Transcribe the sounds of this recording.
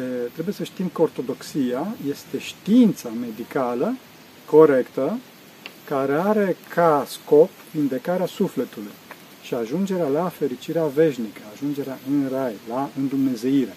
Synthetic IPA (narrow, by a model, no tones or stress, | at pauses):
t̪ɾe̞buje̞səʃt̪imkəort̪o̞d̪o̞ksiaje̞st̪e̞ʃt̪iint̪same̞d̪ikalə | ko̞ɾe̞kt̪ə | kaɾe̞aɾe̞kʰasko̞p | vind̪e̞kaɾeasufle̞t̪uluj | ʃiaʒund͡ʒe̞ɾealafe̞ɾit͡ʃiɾeave̞ʃnikəaʒund͡ʒe̞ɾeaʔɨnrajlaɨnd̪umne̞ze̞iɾe̞